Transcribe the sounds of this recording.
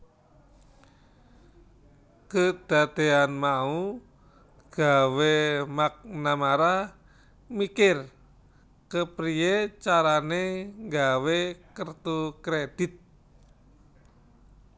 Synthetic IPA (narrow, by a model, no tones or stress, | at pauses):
kəd̪̥a̤t̪eanmau | ɡ̥awemak̚namaɾah | mikɪr | kəpɾiet͡ʃaɾaneŋɡawekərt̪ukɾed̪̥it̪̚